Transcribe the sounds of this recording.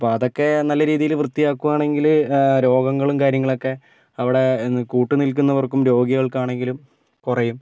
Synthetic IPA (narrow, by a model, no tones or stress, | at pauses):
ɐpːoːɐðo̞kːe̞nɐlːɐɾiːðijilʋrɨt̪ːijaːkːuʋaːɳe̞ŋɡilɾo̞ːɡɐŋːɐɭumkaːɾjɐŋːɐɭo̞kːe̞ | ɐʋiɽe̞kuːʈːunilk̬unːɐʋɐrkːumɾo̞ːɡiɣɐɭkaːɳe̞ŋɡilum | kurɐjum